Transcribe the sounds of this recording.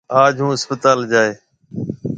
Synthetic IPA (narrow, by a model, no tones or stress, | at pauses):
aːd͡ʒɦũːɪspət̪aːld͡ʒaːeː